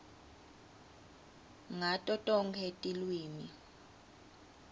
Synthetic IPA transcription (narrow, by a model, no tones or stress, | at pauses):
ŋatʼɔtʼɔŋkʰetʼilwiːni